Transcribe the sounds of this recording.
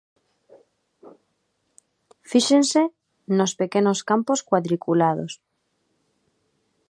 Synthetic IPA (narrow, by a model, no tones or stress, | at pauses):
fiʃense | nospekenoskamposkwaðɾikulað̞o̰s